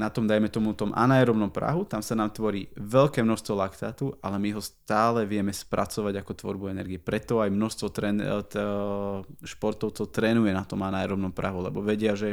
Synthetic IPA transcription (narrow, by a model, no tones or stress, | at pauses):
nat̪ɔmd̪ajmɛt̪ɔmut̪ɔmʔa̰najɛɾɔbnɔmpɾa̰ɦut̪amsanaːmt̪ʋɔɾiːʋɛʎkɛːmnɔʃst̪ʋɔlakt̪aːt̪uʔa̰lɛmiɦɔst̪aːlɛʋɪɛmɛspɾʔat͡sɔʋaɟakɔt̪ʋɔ̰ɾbuɛnɛɾɡiɛpɾɛt̪ɔajmnɔʃst̪ʋɔt̪ɾɛn | ʃpɔɾt̪ɔʊt͡sɔʊt̪ɾɛːnujɛnat̪ɔmanajɛɾɔbnɔmpɾʔaɦulɛ̰bɔʋɛɟɪaʒɛ